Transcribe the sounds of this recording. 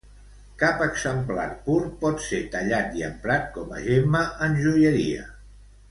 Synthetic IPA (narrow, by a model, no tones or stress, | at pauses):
kapəɡzəmpla̰rpuɾpɔt̪set̪əʎat̪iə̰mpɾat̪̚kɔmə̰ʒeməʔənʲʒujəɾḭə̰